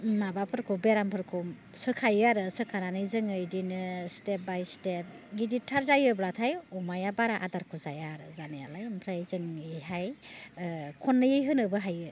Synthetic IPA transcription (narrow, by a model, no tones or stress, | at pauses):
nabapʰɯɾkʰubeɾampʰɯɾkʰu | sɯkʰajaɾɯsɯkʰananɯjzɯŋɯjdinɯstep̚bajstep̚ɡiditʰaɾzajɯblatʰajumajabaɾaʔa̰daɾkʰuzajaɾɯzanijalajmpʰɾajzɯŋɯjɦaj | kʰɔnːɯjɯjɦɯnɯbɯɦajɯ